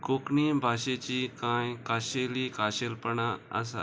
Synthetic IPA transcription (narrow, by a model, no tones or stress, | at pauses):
kokɳibʱaɕet͡ɕikãjkaɕelikaɕelpəɳaə̰s̬a̰